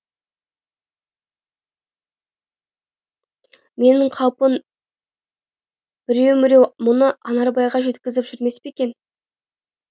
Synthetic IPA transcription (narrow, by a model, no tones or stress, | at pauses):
me̞nɪɴqʰɑwpən | b̥ɪɾe̞wmɪɾe̞wmʊnəɑnɑɾbɑjʁɑʒe̞t̪kʲɪzɪpʒ̥ʏɾme̞speekʲe̞n